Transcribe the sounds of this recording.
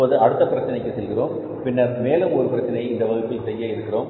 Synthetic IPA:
oːðɯɐɽɯt̪ːɐpɪɾɐt͡ʃːɐnɐɪkːɯsɛlɣɪroːm | pɪnːɐɾmeːlɯmɔɾɯpɪɾɐt͡ʃːɐnɐɪɪnd̪ɐʋɐɣɯpːɪlsɛjːɐɪɾɯkːɪroːm

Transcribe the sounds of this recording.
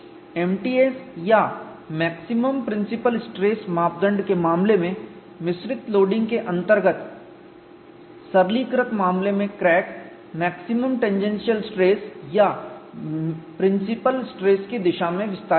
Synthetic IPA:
eːmʈiːeːsja | mɛːksɪməmpɾɪ̃nsɪpəlsʈɾeːsmaːp̚d̪ə̃ɳɖkemaːmlemẽ | mɪsɾɪt̪loːɖɪ̃ŋɡkeʔɐ̃nt̪əɾɡət̪ | sɐɾliːkɾəkmaːmlemẽkɾɛːʈ | mɛːksɪməmʈẽɲd͡ʒẽnsijəlsʈɾeːsja | pɾɪ̃nsɪpəlsʈɾeːskid̪ɪʃamẽʋɪst̪aː

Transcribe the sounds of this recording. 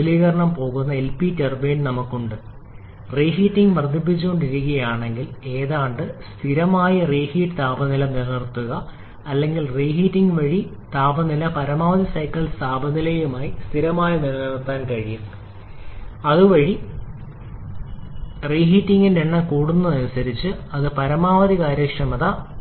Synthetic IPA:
liːɣɐɾɐɳɐmpo̞ːɣunːɐelpiterbeːnnɐmɐkːuɳɖɨ | reːɦiːtːiŋɡʋɐrd̪ʱip̬ːit͡ɕːuɣoɳɖiɾuk̬ːɐjaːɳe̞ŋɡile̞ːðaːɳɖɨst̪ʰiɾɐmaːjɐreːhiːʈɨt̪aːbɐnilɐnirɐrt̪ːuɣɐ | ɐlːe̞ŋɡilreːɦitːiŋɡʋɐɻi | t̪aːbɐnilɐpɐɾɐmaːʋɐðisɐjkːɐɭst̪aːbɐnilɐjumaːjist̪ʰiɾɐmaːjɐnirɐnirt̪ːaːnkɐɻiju | ɐðɨʋɐɻi | reːɦiːtːiŋɡindeɳːɐkuːɽunːɐɐnusɐɾit͡ɕːɨɐðɨpɐɾɐmaːʋɐðikaːɾjɐkʂɐmɐðɐ

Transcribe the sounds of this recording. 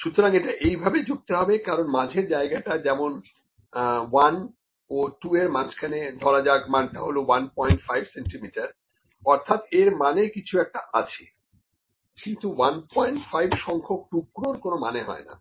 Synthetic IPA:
ʃut̪ʰːoɾaŋeʈaʔejbʱabed͡ʑuk̚t̪eɦɔbekaɾonmad͡ʑʱeɾd͡ʑaeɡaʈad͡ʑɛmon | wan | oʈueɾmat͡ɕʰkʰaned̪ʱɔɾad͡ʑaɡmanʈaɦolowanpɔjɳʈfajbseɳʈimiʈaɾ | ɔɾt̪ʰat̪eɾmanekit͡ɕʰuɛk̚ʈaʔa̰t͡ɕʰe̥ | kint̪uwanpɔjeɳʈfajbʱʃɔŋkʰok̚ʈukːɾoɾkonomaneɦɔ̰ena̰

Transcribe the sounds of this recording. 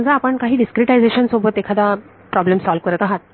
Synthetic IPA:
nd͡zaːpəɳkaɦiːɖiskɾiʈajd͡zeɕənsobət̪ekʰad̪a | pɾɔblemsɔlʋkəɾət̪aɦat̪̚

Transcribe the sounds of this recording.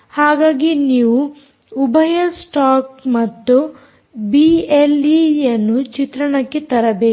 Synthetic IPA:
haːɡaːɡiniːʋuː | bʱɐjɐlsʈaːk̚mɐt̪ːu | bielijɐnːut͡ʃit̪ɾɐɳɐkːet̪ɐɾɐbeː

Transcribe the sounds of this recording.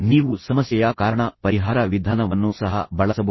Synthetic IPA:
niːʋusɐmɐsjɐjɐkaːɾɐɳɐpɐɾiɦaːɾɐʋid̪ʱaːnɐʋɐnːusɐɦɐ̰bɐɭɐsɐbɐ

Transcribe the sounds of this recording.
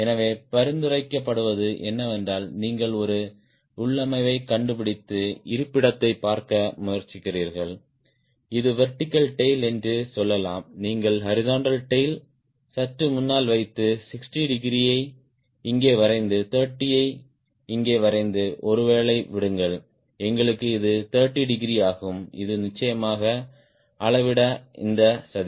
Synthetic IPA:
ɛnɐʋeːpɐɾɪnd̪ɯrɐɪkːɐpːɐɽɯʋɐðɯʔɛnːɐʋɛndaːlniːŋɡɐɭɔɾɯ | ʊɭːɐmɐɪʋɐɪkɐɳɖɯpɪɽɪt̪ːɯɪɾɯpːɪɽɐt̪ːɐɪpːaːɾkɐmʊjɐɾt͡ʃːɪkːɪriːɾɣɐɭ | ɪðɯʋɛɾʈɪkːɐlʈɐɪlɛndrɯsɔlːɐlaːmniːŋɡɐɭhɐɾɪzaːɳɖɐlʈɐɪl | sɐʈrɯmʊnːaːlʋɐɪt̪ːɯsɪksʈiɖɪɡɾijɐɪ | ɪŋɡeːʋɐɾɐɪnd̪ɯt̪ɐːɾʈːijɐɪ | ɪŋɡeːʋɐɾɐɪnd̪ɯʔɔɾɯʋeːɭɐɪʋɪɽɯŋɡɐɭ | ɛŋɡɐɭɯkːɯɪðɯt̪ɐːɾʈːiɖɪɡɾijaːɣɯmɪ̰ðɯnɪt͡ʃːɐjɐmaːɣɐ | ɐɭɐʋɪɽɐɪ̰nd̪ɐsɐði

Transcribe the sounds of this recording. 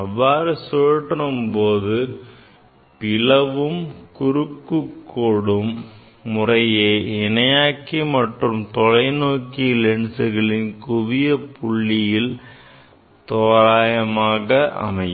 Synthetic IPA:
ɐʋːaːɾɯsoːɻʈːɐnɯmpoːðɯ | pɪlɐʋɯmkʊɾɯkːɯkːoːɽɯmː | ʊrɐjeːɪnɐjaːkːimɐʈrɯmt̪ɔɻɐɪnoːkilɛɳsɯɣɐɭɪnkʊʋɪjɐpʊɭːɪjɪl | t̪oːɾaːjɐmaːɣɐʔɐ̰mɐɪj

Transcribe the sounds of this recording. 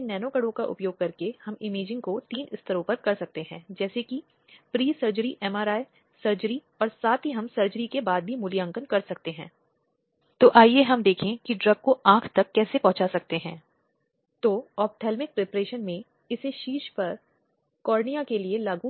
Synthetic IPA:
nɛːnoːkəɽõkaʔʊ̰pjoːɡ̚kɐɾkehɐmɪmeːd͡ʒɪ̃ŋɡkot̪iːnɪst̪ʰəɾõpɐɾkɐɾsɐk̚t̪eɦɛ̃ːd͡ʒɛːseki | pɾiːsɐɾd͡ʒəɾiʔɛːmaːɾaːe | sɐɾd͡ʒəɾi | ɔːɾsaːt̪ɦiɦɐmsɐɾd͡ʒəɾikebaːd̪̚bʱimʊlijãːŋkənkɐɾsɐkt̪eɦɛ̃ː | t̪oːʔaːijeɦɐmd̪eːkʰẽkiɖɾɐɡ̚koãːkʰt̪ɐkːɛːsepɐ̃ɦʊ̃t͡ʃasɐk̚t̪eɦɛ̃ː | t̪oːɔːp̚ʈʰɛːlmɪk̚pɾeːpɾeːʃənmẽ | ɪseʃiːʃpɐɾ | kɔːɾnijakelielaːɡũ

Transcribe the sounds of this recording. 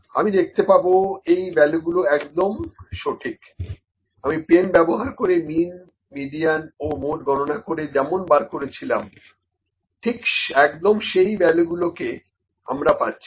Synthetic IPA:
amid̪ek̚ʰt̪epaboejbɛloɡuloɛkd̪omʃoʈʰik | amipenbɛboɦaɾkoɾemin | miɖijanomoʈɡʱɔnonakoɾed͡ʑɛmonbaɾkoɾet͡ɕʰilam | ʈʰikʃɛkd̪omʃejbɛloɡuloke | a̰mɾapatːɕʰi̥

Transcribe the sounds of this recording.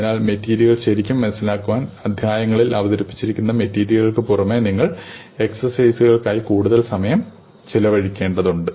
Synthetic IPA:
ɐnaːlmetːiːɾjɐɣɐɭɕɐɾikʲːumːɐnɐsːilaːkːuʋaːnɐd̪ʱjaːjɐŋːɐɭilɐʋɐðɐɾipːi̥t͡ɕːiɾikʲːunːɐme̞tːiːɾjɐɣɐɭkɨpurɐmeniŋːɐɭ | e̞ksɐrsɐjsɨɣɐɭkaːjikuːɽuðɐlsɐmɐjɐm | t͡ɕilɐʋɐɻikʲːe̞ːɳɖɐðuɳɖɨ

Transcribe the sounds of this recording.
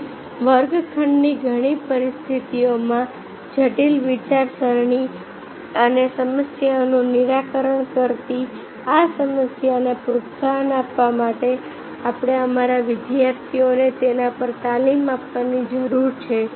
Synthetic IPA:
ʋəɾɡkʰəɳɖniɡʱəɽ̃ipəɾɪst̪ʰit̪ijomã | d͡ʒəʈilʋit͡ʃaɾsəɾɳi | ənesəməsjanũnɪɾakəɾəɳ̃kəɾt̪i | asəməsjanepɾʊt̪sanapʋamaʈe | apɽ̃eəmaɾaʋɪd̪jaɾt̪ʰionet̪enapəɾt̪alimapʋanid͡ʒəɾuɾt͡ʃʰe

